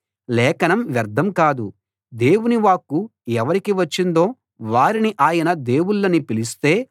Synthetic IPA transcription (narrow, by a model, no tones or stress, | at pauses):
lɛːkɐnɐmʋjɐɾd̪ʱɐmkaːd̪u | d̪e̞ːwuniʋaːkːuɛʋɐɾikiʋɐt͡ʃːind̪o̞ː | ʋaːɾiniʔaːjɐnɐd̪e̞ːwuɭːɐnipilist̪e̞ː